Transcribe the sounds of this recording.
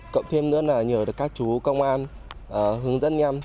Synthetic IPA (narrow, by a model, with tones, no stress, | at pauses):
kə̰˧˨wŋ͡mt̪ʰe˧mnɨ̰˧˥ənaː˨˩ɲəː˧˩ɗɨ˨˩kːaː˦˥k̚t͡ɕu˨˦kə˧wŋ͡mʔaː˧nʔəː˨˩ɦɨ˨˦əŋzə˦˥nɲa˧m